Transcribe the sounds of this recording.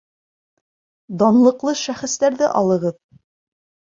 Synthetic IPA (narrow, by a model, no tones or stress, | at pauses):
d̪ɒnlˠɤ̆qlˠɤʃæχɘ̆st̪æɾðɘʔɑlˠɤ̆ʁɤð